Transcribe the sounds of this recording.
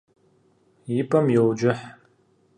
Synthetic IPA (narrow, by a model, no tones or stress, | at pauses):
jipʰʼɐmjowd͡ʒɪħ